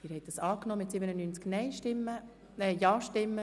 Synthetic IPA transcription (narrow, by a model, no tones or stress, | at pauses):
ɪɾhɛɪt̚d̥ɑsɑːknɔːmɪtsɪbənənyːnt͡sknɛɪʃtɪmːə | ɛjɑːʃtɪmːə